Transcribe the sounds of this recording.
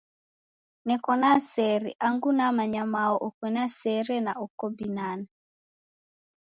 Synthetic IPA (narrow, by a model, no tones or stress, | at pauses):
nɛkɔnasɛɾḭʔaŋɡunamaɲamaɔʔɔkwɛnasɛɾɛnaɔkɔbinana